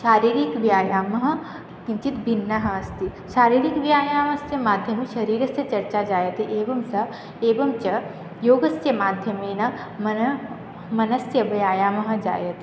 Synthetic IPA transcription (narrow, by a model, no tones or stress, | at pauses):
ʃaːɾiːɾikʋjaːjaːmɐɦɐ̆ | kimt͡ʃit̪bʱinːɐɦɐɐst̪i | ʃaːɾiːɾikʋjaːjaːmɐst̪jɐmaːd̪ʱjɐmeʃɐɾiːɾɐst̪jɐt͡ʃɐɾt͡ʃad͡ʒaːjɐt̪iʔeːʋɐmsɐ | eːbɐmt͡ʃɐ | joːɡɐsjɐmaːd̪ʱjɐmeːnɐ | mɐnɐ | mɐnɐsjɐbɐjaːjaːmɐɦɐ̆d͡ʒa̰ːjɐt̪i